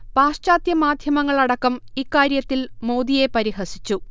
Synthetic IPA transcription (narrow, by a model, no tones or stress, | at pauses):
paːʂt͡ɕaːd̪jɐmaːd̪ʱjɐmɐŋːɐɭɐɽɐkːɐmikːaːɾjɐt̪ːilmowd̪ije̞pɐɾiɦɐsit͡ɕːu